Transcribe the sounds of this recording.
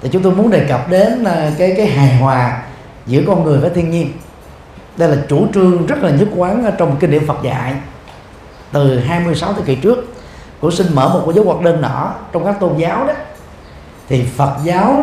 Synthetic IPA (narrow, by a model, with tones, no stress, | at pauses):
t̪ʰi˨˩t͡ɕʊ˨˦ŋ͡mt̪o˧jmu˨˦ənɗe˨˩kə˨˩p̚ɗe˨˦n˨˩kaː˨˦jkaː˨˦jɦaː˨˩jɦwaː˨˩ | zɨ̰˧˥əkɔ˧nŋɨ˨˩əjvaː˨˩t̪ʰi˧ənɲi˧ən | ɗə˧jlaː˨˩t͡ɕu˧˩t͡ɕɨ˧əŋzə˦˥t̚laː˨˩ɲɨ˦˥t̚kwaː˨˦nʔəː˨˦t͡ɕɔ˧wŋ͡mkːi˧ŋnḭ˧˨əmfə˨˩t̚za̰ː˧˨j | t̪ɨ˨˩ɦaː˧jmɨ˧əjsa˨˦wt̪ʰəː˨˦ki˧˩t͡ɕɨ˦˥ək̚ | kṵ˧˥si˧nmə̰ː˧˩mo˨˩kːzəː˨˦jwa˨˩k̚ɗe˧nːɔ̰˧˩t͡ɕɔ˧wŋ͡mkaː˦˥k̚t̪o˧nzaː˨˦wɗɔ˨˦ | t̪ʰi˨˩fə˨˩t̚zaː˨˦w